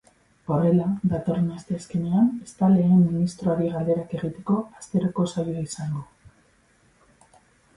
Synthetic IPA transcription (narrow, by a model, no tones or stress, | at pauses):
ore̞laðat̪o̞renast̪e̞aske̞ne̞ane̞st̪ale̞ːmːinist̪ɾoaɾiɣald̪e̞ɾake̞ɣ̞it̪e̞ko̞ast̪e̞ɾoko̞sajoaisaŋɡo